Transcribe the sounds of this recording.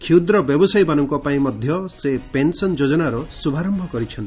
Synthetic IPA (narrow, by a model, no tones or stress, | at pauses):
kʰiud̪ɾɔbjɔbɔsajbanɔŋkɔpaĩmɔd̪ʱjɔsepensɔnd͡ʒod͡ʒɔnaɾɔsubʱaɾɔmbʱɔkɔɾit͡ʃʰɔn